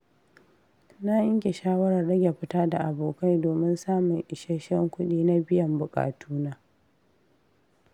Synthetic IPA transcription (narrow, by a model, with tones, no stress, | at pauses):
na˦jɪ˦ŋkʲe˨ʃaː˦wɐ˦ɽɐ˨rɽɐ˦ɡʲe˨ɸɪ˦taː˦da˨ʔa˨boː˨ka˦jdoː˨mɪ˦nsaː˦mʊ˨ŋʔɪ˨ʃɛ˦ʃɛ˦ŋkʷʊ˦ɗiː˦na˦bɪ˦jɐ˨mbʊ˨kʼa̰ː˨tʰuː˦naː˦